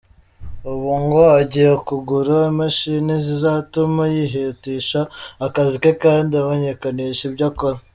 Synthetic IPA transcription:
uβuŋɡo̞aɟijekuɡuɾamaʃinizizatumajiɦetiːʃaːkazikekaːndiamoɲekaniʃibɟakoɾa

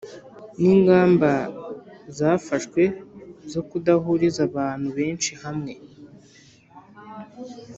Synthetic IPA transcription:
niːŋɡaːmba | zaːfaʃkwe̞zo̞kudahuɾizaβaːn̥huβe̞ːnʃihamŋe̞

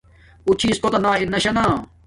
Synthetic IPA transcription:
ut͡ɕʰiːskot̪ɐnaːinɐɕɐnaː

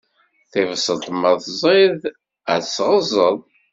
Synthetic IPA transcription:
θɪvəsəlt̪ˤmːəðˤθzˤið | æ̰sːʁəzˤəðˤ

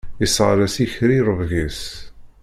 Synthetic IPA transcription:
isʁɾæsiçɾiɾˤəvʝis

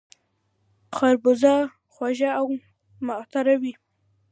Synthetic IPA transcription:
χaɾbʊzɑ | xwaʒaaw | mat̪aɾawi

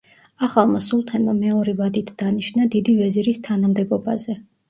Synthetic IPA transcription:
aχalˠmasulˠt̪ʰɛnamɛɔɾɛvad̪it̪ʰd̪̥aniʃnad̪id̪ivɛziɾist̪ʰanamd̪ɛbɔba̰zɛ

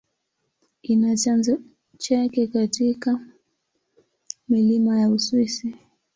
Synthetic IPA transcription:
kinat͡ʃanza | t͡ʃakɛkatika | milimajauswisi

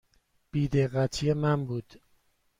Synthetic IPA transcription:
b̥iːd̪eɣæt̪ʰijemænbuːd̪̥

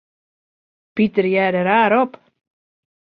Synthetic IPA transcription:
pit̪əɾjæɾəɾaːɾɔp

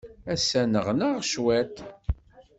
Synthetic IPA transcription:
æsænəʁnəʁʃwæt̪

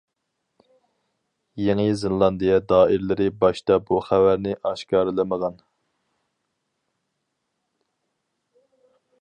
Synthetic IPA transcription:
jeŋɨzɪnlˠɑnd̪ijɛd̪ɑːɪɾlɪɾɪbɑʃt̪ɑbuχævæɾnɪʔɑʃkɑːɾɨlˠɨməʁɑn

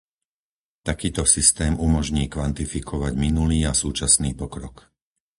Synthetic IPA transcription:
t̪akiːt̪ɔsist̪ɛːmumɔʒɲiːkʋant̪ifikʰɔʋaɟminuliːasuːt͡ʃasniːpɔkɾɔk

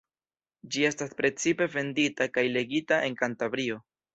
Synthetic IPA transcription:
d͡ʒie̞staspɾe̞t͡sipe̞ve̞nditakajle̞ɡitaʔe̞ŋkantavɾio̞

